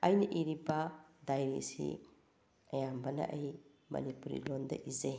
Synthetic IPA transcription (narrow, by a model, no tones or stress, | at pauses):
ajnɐʔiɾibɐdajɾisḭ | ɐjambɐnɐ̰ʔej | mɐ̰nipuɾḭlondɐ̰ʔize